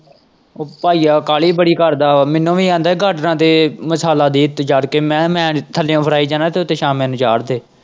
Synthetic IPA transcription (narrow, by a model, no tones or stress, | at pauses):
oːpaːiːaːkaːliːbəɽiːkəɾd̪aːmɛnõːʋiːãːnd̪aɛɡʱəʈnãːt̪eːməsaːlaːd̪iːɪt̪ːd͡ʒaːɽkeːmɛ̃ːmɛ̃ːt̪ʰəlːõːpʰəɾaːiːd͡ʒãːnaːt̪eːʊt̪ːeːʃaːmẽnũd͡ʒaːɽd̪eː